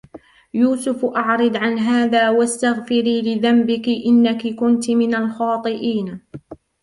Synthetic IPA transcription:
juːsʊfʔɑʕɾɨd̪ʕanɦaːðaːwast̪aɣfɪɾiːlɪðambɪkɪʔɪnːakɪkʊnt̪mɪnalxɑːt̪ˤɨʔiːn

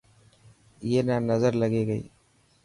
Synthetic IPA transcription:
eːnaːnnɐzɐɾlɐɣeːɣɐɪ

